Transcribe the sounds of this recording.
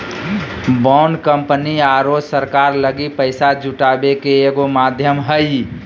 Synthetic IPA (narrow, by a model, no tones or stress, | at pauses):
bɔnkəmpəniaɾosəɾkaːɾləɡipəɪsad͡ʒʱuʈabekeeɡomaːd̪ʱjəmɦəj